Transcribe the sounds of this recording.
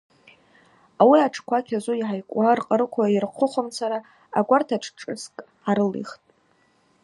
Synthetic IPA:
awiaʈ͡ʂʰkʷakʲʰazʷuiħajkʷʼarqʼəɾɨkʷʰajirqʷʰʊχʷamt͡sʰaɾa | aɡʷartʰaʈ͡ʂʰʈ͡ʂʼɨ̰skʼ | aɾɨlḭχtʼ

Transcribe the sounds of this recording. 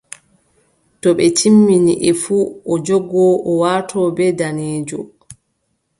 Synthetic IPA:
tɔɓɛt͡ʃimːiniʔɛfuʔɔd͡ʒɔɡɔʔɔwaːtʰɔːbɛdaneːd͡ʒɔ

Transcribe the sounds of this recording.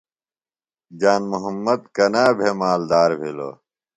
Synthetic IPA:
d͡ʑaːnmuɦɐmːɐd̪̚kɐnaːbʱemaːld̪aːɾbʱilo̰ː

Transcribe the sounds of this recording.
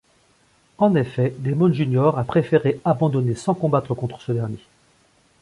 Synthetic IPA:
ɑ̃nefɛd̪emɔnʒynjɔʁapχefeʁeabɑ̃d̪ɔnesɑ̃kɔ̃bat̪χəkɔ̃t̪χə̥səd̪ɛʁnje

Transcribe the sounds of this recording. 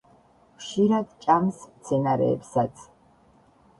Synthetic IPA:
χʃiɾad̪t͡ʃʼamst̪sʰɛnaɾɛ̰ːpsat̪sʰ

